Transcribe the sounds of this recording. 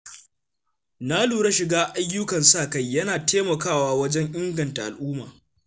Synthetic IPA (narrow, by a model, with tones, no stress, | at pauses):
na˦luː˨ɽa˦ʃɪ˨ɡaː˦ʔa˦jːʊ˦kɐ˨nsaː˦˨ka˦jːɐ˦naː˨teː˦mɐ˨kaː˦˨waː˦wɐ˦d͡ʒɛ˦ŋʔɪ˦ŋɡɐ˨nta˨ʔa̰˨lʔuː˦maː˨